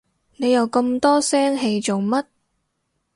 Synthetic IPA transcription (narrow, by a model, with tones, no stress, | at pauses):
ne˨˧jɐ˨˧wkɤ˧mt̪ɔː˥sɛː˥ŋɦe˧jt͡so˨wmɐ˥t̚